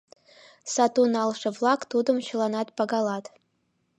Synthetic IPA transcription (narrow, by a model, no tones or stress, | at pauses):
satʰunalʂɨvlakʼtʰudɨmʃɨlanatʼbaɡalatʼ